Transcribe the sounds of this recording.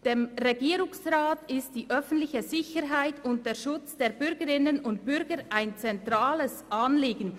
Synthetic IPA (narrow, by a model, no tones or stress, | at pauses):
d̥emʁeɡiːɾʊŋsʁaːtɪst̚d̥iːʔœfn̩tlɪçəzɪçəɾɦaɪtʊnt̚d̥eːɐɾʃʊt͡sd̥eːɾbʏɾɡəɾɪnənʊntbʏɾɡəʔaɪnt͡sɛntʁaːləsʔanliːɡn̩